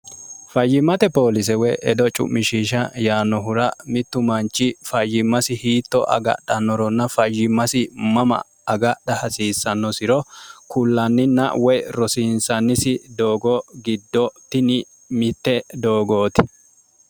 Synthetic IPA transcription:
fɐjːɪmːɐt̪ɛpo̞ːlɪs̬ɛwɛʔɛd̪ɔt͡ʃʼʊ̰mmːɪʃiːʃɐjaːnːɔɦʊɾɐmɪt̪ːʊmɐnt͡ʃːɪfɐjːɪmːɐsɪhiːt̪ːɔʔɐ̰ɡɐ̰ɗɐnːɔɾɔnːɐfɐjːɪmːɐsɪmɐmɐ̰ | ɐɡɐɗɐhɐsiːsːɐnːɔsɪɾɔkʊlːɐnːɪnɐ̰ʔwɛjɾɔsiːnsɐnːɪsɪd̪o̞ːɡɔɡɪd̪ːɔt̪ːɪnɪ | mɪt̪ːɛd̪o̞ːɡoːt̪ɪ̥

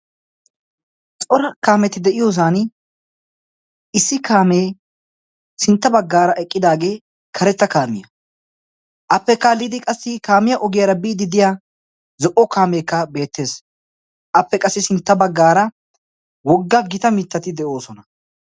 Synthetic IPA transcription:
t͡sʼɔɾɐkaːmɛt̪ɪd̪ɛʔɪjo̞ːs̬aːn | ɪsːɪkʰaːmeː | sɪnt̪ːɐbɐɡːaːɾɐʔɛkʼːɪd̪aːɡe̞ː | kʰɐɾɛt͡s̪ːɐkaːmɪjɐ | ʔɐpːɛkːalid̪ɪkʼɐsːɪkaːmɪjɐʔɔɡɪjɐɾɐbiːd̪ɪd̪ɪja | zɔʔɔkaːme̞ːkːɐbe̞ːt̪ːe̞ːs | ʔɐpːɛkʼɐsːɪsɪnt̪ːɐbɐɡːaːɾɐ | wɔɡːɐɡɪt̪ɐmɪt̪ːɐt̪ɪd̪ɛʔo̞ːsɔnɐ

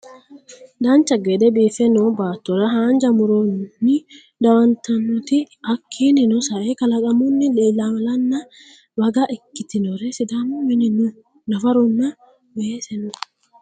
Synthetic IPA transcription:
d̪ɐnt͡ʃːɐɡed̪ɛbiːfɛnɔbaːt̪ːɔɾɐɦaːnd͡ʒɐmʊɾɔnːɪ | d̪ɐwɐnt̪ɐnːɔt̪ɪ | ɐkʰːiːnɪnɔsɐʔekɐlɐkʼɐmʊnːɪleːlːamɐlɐnːɐ | bɐɡɐʔɪkːɪt̪ɪnɔɾɛsɪd̪amʊmɪnɪnʊ | nɐfɐɾɔnːɐ | beesɛnɔ

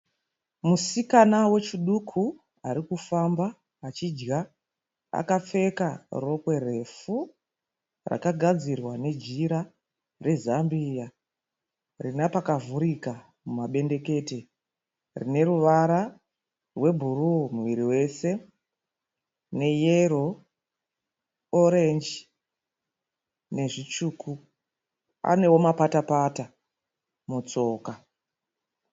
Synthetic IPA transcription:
musikanawe̞t͡ʃiɗukʰu | aɾikufambaː | t͡ʃid͡ʒɡa | a̰kap͡fe̞karo̞kwe̞re̞fu | ra̰kaɡʱad͡zirwane̞d͡ʒiɾa | re̞zambija | rinapakavuɾika | mumaɓe̞nde̞ke̞te̞ | rḭne̞ɾuʋaɾa | rwe̞bʱurumuʋiɾiwe̞se̞ | ne̞jeɾo̞ | oɾe̞nd͡ʒi | ne̞ʐit͡ʃuːkʰu | a̰ne̞wo̞mapatapata | mut͡so̞ːka

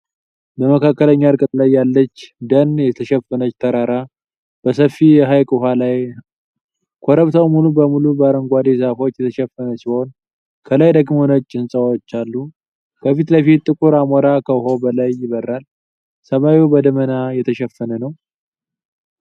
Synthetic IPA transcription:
bəməkʰakːələɲːaɾkʼɨt̪ʼlajːalːət͡ʃːd̪ənjɛt̪ʰəʃɛfːənət͡ʃːt̪ʰəɾaɾa | b̥əsəfːijɛɦajkʼɨɦalaj | kʰoɾəβt̪ʰawmulubəmulubəaɾəŋɡʷad̪esafo̞t͡ʃːjɛt̪ʰəʃɛfːənəsiho̞n | kʰəlajd̪əɡmonət͡ʃʼːɪnsʼəwot͡ʃːalːu | kʰəfit̪ləfit̪ʼːɨkʼuɾamoɾakʰəɦo̞bəlajːɪβərːal | səmawibəd̪əmənajɛt̪ʰəʃɛfːənənəw

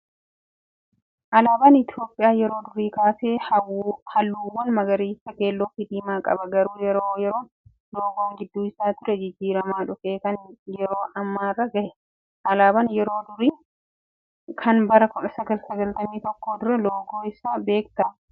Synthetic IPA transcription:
ʔɐlaːbɐnɪt̪ɪjo̞ːpʼːɪjaːjɛɾo̞ːd̪ʊɾiːkaːseː | hɐlːuːwːɐnmɐɡɐɾiːsɐke̞ːlːɔfɪd̪iːmaːkʼɐ̰bɐɡɐɾuːjɛɾoːjɛɾoːn | loːɡoːŋɡɪd̪ːuːɪsaːt̪ʊɾɛd͡ʒɪd͡ʒːiːɾɐmaːᶑʊfeːkɐnjɛɾo̞ːʔɐmːaːrːɐɡɐhɛ | ʔɐlaːbɐnjɛɾo̞ːd̪ʊɾiː | kʰɐnbɐɾɐkɔᶑɐsɐɡɐlsɐɡɐlt̪ɐmiːt̪ɔkːo̞ːd̪ʊɾɛloːɡoːɪsaːbe̞ːkt̪ɐ

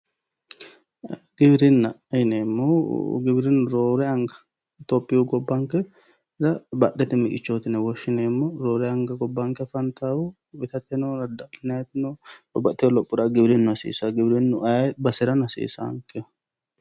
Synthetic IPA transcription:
ɡ̥ɪbɾɪnːɐɪneːmːoɡɪbɾɪnːʊɾoːɾɛɐŋɡɐ̥ | t̪oːpʼːɪjuɡɔbːɐŋkɛ | ɾɐbɐɗɛt̪ɛmɪkʼɪt͡ʃːoːt̪ɪnɛwɔʃːɪneːmːoɾoːɾɛɐŋɡɐɡɔbːɐŋkɛfɐnt̪aːwu | bɪt̪ɐt̪ːɛnonɐd̪ɐlɪnɐjt̪ːɪnoɔbɐt̪ːɛɔlɔpʼːʊɾɐɡɪbɾɪnːʊɐsḭːsɐɡɪbɾɪnːʊʔɐbɐsɛɾɐnɐsḭːsɐ̰ɐ̰ŋkɛ

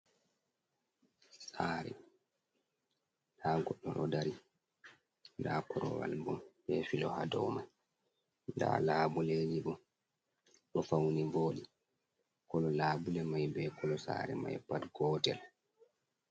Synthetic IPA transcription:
saːɾɛ̰ | ɗaːɡɔɗːɔɗɔdaɾi | daːkɔɾɔ̰wa̰lbɔmɓɛfilɔhadɔma | nda̰ːlaːbuled͡ʒiɓɔ | ɗɔfawnivoːɗi | kɔlɔlaːbulɛmajbɛkʰɔlɔsa̰ːɾɛmajɛpːatɡɔːtɛl

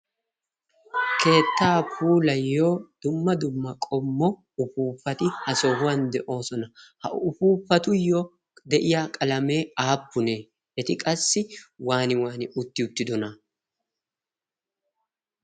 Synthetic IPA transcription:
kʰe̞ːt̪ːaːpʰuːlɐjːo̞ːd̪̥ʊmːɐd̪ʊmːɐkʼɔmːɔ | ʊpuːpːɐt̪ɪhɐsɔhʊwɐnd̪ɛʔo̞ːsɔnɐhɐ̰ʔʊfuːpːɐt̪ʊjːɔ | d̪ɛʔɪjakʼɐlɐme̞ːaːpːʊneː | ʔɛt̪ɪkʼɐsːɪwaːnɪwaːnɪʔʊt̪ːɪʊt̪ːɪd̪ɔnɐ

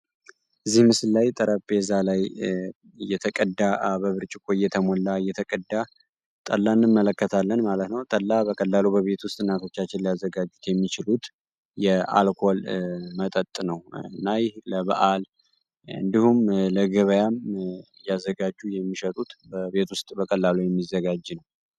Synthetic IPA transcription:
ʔɨzːihmɨsɨllːajt̪ʼəɾʔəpe̞zalaj | jɛt̪ʰəkʼəd̪ːabəβɨɾt͡ʃʼɪkʰʼojːɛt̪ʰəmolːajɛt̪ʰəkʼəd̪ːa | t̪ʼə̰lːanːɨmːələkːət̪ʰalːənmalət̪nəwt̪ʼəlːabəkʼəlːalubəβe̞t̪wʊst̪ʼɨnat̪ʰo̞t͡ʃːat͡ʃːɪnliazːəɡad͡ʒːut̪jɛmːit͡ʃɪlut̪ | jɛa̰lkʰo̞lmət̪ʼət̪ʼːnəwnajləβa̰ʔal | ɨ̰nd̪ihumləɡəβəjam | jazːəɡad͡ʒːujɛmːiʃət̪ʼut̪bəβe̞t̪wʊst̪ʼbəkʼəlːalujɛmːizəɡad͡ʒnəw

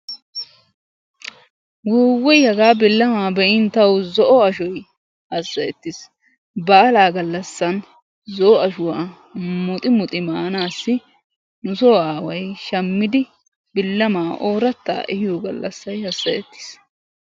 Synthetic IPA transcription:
wuːwːɔjhɐɡaːbɪlːɐmaːbɛʔɪnt̪ɐwzɔʔɔɐʃɔj | hɐsːɐjɛt̪ːɪs | bɐːlaːɡɐlːɐsːɐn | zɔʔɔɐʃʊwaː | mʊt̪ʼɪmʊt̪ʼɪmaːnaːsːɪ | nʊsoːaːwɐjʃɐmːɪd̪ɪ | bɪlːɐmaːʔoːɾɐt̪ːa̰ːɛhɪjɔɡɐ̰lːɐ̰sːɐjhɐsːɐjɛt̪ːɪ̥s

